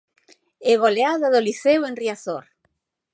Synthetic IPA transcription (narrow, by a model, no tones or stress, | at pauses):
eɣoleaðaðoliθewenriaθoɾ